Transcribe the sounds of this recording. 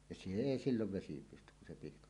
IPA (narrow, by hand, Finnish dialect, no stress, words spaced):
jɑ se eˑi silːoʋ ʋesi pystyk kun̞ se pihkɑʔ